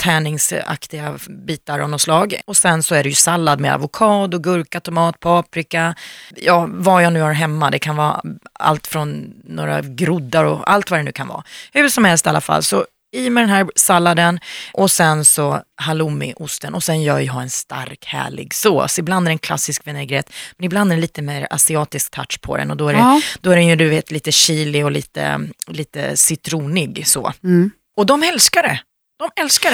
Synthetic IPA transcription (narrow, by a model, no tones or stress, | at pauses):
t̪ʰɛːnɪŋsa̰kt̪ɪɡabiːt̪aɾʔanɔslɑːɡɔsɛnsɔæɖɛjɵsalːad̪mea̰vʊkʰɑːd̪ɔɡɵɾkat̪ʊmɑːt̪pʰɑːpɾɪkajɑːvajaːnʉ̟ːhaɾɦɛmːad̪ɛkʰanvɑ̰ːa̰lt̪fɾɔnːo̰ːɾa̰ɡɾʊd̪ːaɾɔ̰a̰lt̪vad̪ɛnʉ̟ːkʰanvɑ̰ːhʉ̟ːʂɔmhɛlst̪ɛala̰fa̰lːsɔ | imɛd̪ɛnɦæːɾsalːad̪ənʔɔsɛnsɔhalumɪ̰ʔʊst̪ənɔsɛnjœːɾjəɦaɾɛnst̪a̰ɾkhæ̰ːɭɪ̰ɡso̰ːsɔɪbland̪æɾɛnkʰla̰sːɪskvɛnɛːɡɾeːt̪mɛnɪbland̪æɾɛnliːt̪əmeːɾa̰sɪɑːt̪ɪsk̚t̪ʰa̰ʈ̪ʂpʰɔ̰d̪ɛ̰nɔd̪ɔæɾɛd̪̥ɔæɾɛnjɵd̪ɵveːt̪ʰliːt̪əɕiːlɪɔliːt̪ə̰liːt̪ə̰sɪt̪ʰɾuːnɪɡso̰ː | ɔd̪ɔmɛlskaɖɛ | d̪̥ɔmɛlskaɖɛ